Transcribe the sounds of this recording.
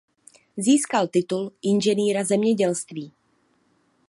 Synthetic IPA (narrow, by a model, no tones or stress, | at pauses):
ziːskalt̪ɪt̪ulʔɪnʒɛniːɾazɛmɲɛɟɛlst̪viː